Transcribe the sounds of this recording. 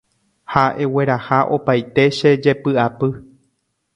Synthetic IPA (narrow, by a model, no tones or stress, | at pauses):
haʔe̞we̞ɾahaʔo̞pajt̪e̞ʃe̞d͡ʒe̞pɨapɨ